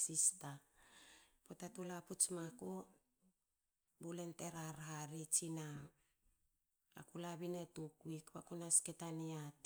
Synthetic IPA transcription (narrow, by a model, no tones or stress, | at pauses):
sista | potatulaput͡ʃmako | bule̞nte̞ɾaɾɦaɾit͡ʃina | a̰kulaβinetukwikβakunasketaniat